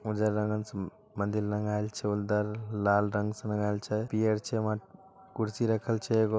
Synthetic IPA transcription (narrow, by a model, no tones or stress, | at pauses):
ud͡ʒəɾːəŋɡəns | mə̃nd̪ilɾəŋɡajlt͡ʃʰɛuld̪əɾlalɾəŋɡsə̃nəŋɡajlt͡ʃʰɛpijəɾt͡ʃʰɛmã | kuɾsiɾəkʰəlt͡ʃʰɛeɡo